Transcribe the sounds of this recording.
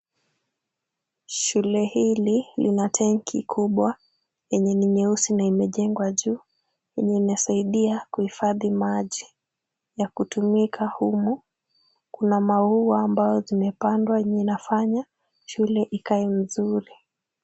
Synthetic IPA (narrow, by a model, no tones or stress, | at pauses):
ʃulɛhililinatʰɛŋkʰikʰuɓwa | jɛɲɛniɲɛusinaimɛʄɛŋɡwaʄuː | jɛɲɛinasaiɗiakuhifaðimaʄi | jakutumikʰahumu | kunamauaːmbaɔzimɛpandwaɛɲɛinafaɲa | ʃulɛʔikaim̩zuɾi